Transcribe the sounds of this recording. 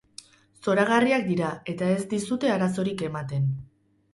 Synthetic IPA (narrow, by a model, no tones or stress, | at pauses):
so̞ɾaɣ̞ariakd̪iɾae̞t̪ae̞zd̪isut̪e̞aɾaso̞ɾike̞mat̪e̞n